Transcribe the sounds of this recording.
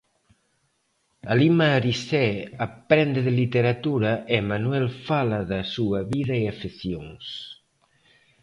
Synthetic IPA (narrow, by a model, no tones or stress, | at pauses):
alimaɾisɛapɾɛnd̪eðelit̪eɾat̪uɾɐʔemanwɛlfalɐðɐsuɐβiðɐeafiθjoŋs